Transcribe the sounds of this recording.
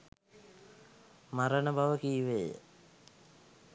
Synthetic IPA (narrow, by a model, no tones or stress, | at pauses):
maɾənəbaʋəkiːʋejə̰